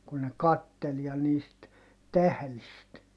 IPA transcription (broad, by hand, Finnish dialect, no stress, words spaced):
kun ne kɑtːel jɑ niːst tæhlist